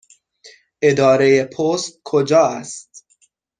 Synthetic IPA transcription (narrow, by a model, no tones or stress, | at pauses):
ʔe̞d̪ɒːɾejepʰost̪̚kʰod͡ʒɒːæst̪